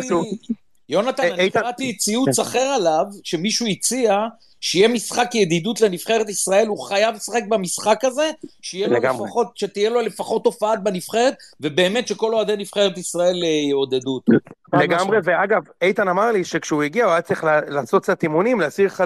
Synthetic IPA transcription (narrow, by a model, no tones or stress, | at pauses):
jo̞nat̪ankʁat̪it͡siusaχe̞ʁalavʃe̞miʃuit͡sia | ʃeijemisχakjed̪id̪ut̪lenifχe̞ʁet̪isʁae̞luχajavsaχe̞k̚bamisχakaze̞ʃijelfaχot̚ʃet̪ijelole̞faχo̞tːo̞faat̪̚benifχe̞ʁet̪ve̞beːme̞t̪ʃe̞ko̞lo̞ad̪enifχeʁet̪̬isʁae̞ljeo̞d̪ed̪utleɡamʁeveaɡavejt̪anamaʁliʃekʃeuiɡiauat͡sliχlalaːsotat̪imunimleasiʁχa